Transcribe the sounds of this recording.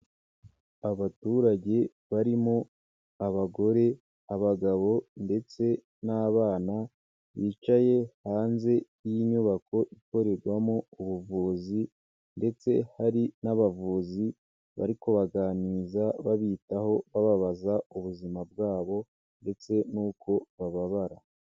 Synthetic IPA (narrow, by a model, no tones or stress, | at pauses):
aβatuːɾaɟe̞ | βaɾimo | aβaɡo̞ɾe̞ | aβaɡaβo̞nde̞t͡se̞ | naːβaːna | βiːt͡ʃaje̞haːnze̞ | ijiɲuβako̞ʔiko̞ɾe̞ɾɡwamouβuvuːzi | nde̞t͡se̞haɾinaβavuːzi | βa̰ɾiko̞βaɡaːniːzaβaβitaho̞βaβaβazauβuzimabɡaːβo̞ | nde̞t͡se̞nuːkʰo̞βaβaβaɾa